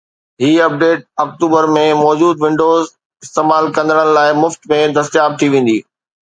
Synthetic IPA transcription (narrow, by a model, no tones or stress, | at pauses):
ɦiːɐp̚ɖeːʈ̚ɐkʈuːbəɾmẽmɔːd͡ʑuːd̪ʋɪ̃ɳɖoːz | ɪst̪eːmaːlkɐ̃nd̪əɽ̃əɽ̃laːɪmʊft̪mẽd̪ɐst̪jaːb̚t̪ʰiʋẽːn̆d̪iː